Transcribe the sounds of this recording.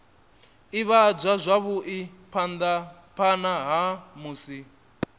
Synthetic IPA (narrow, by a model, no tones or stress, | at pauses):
iβad͡ʒʷazʷaβuʔipʰand̪a | pʰanaɦamuːsi